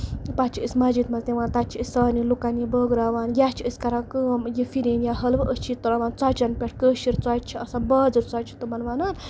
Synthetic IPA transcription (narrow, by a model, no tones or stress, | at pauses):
pat͡ʃʰiəsʲmad͡ʒit̪mɐzt̪ʲẽʋaːnt̪at͡ʃʰiəsʲɐnilukanjibəːɡɾaːʋaːnjat͡ʃʰiəsʲkɐɾakəːmjifiɾinjaɦəlʋʔəst͡ʃʰit̪ːuɾaʋaːnt͡saːt͡ʃɐnpʲeʈʰkəʃiɾt͡sat͡ʃʰiɐsãbɐd͡zɨɾt͡saːt͡ʃʰi̥t̪umɐnʋaːnan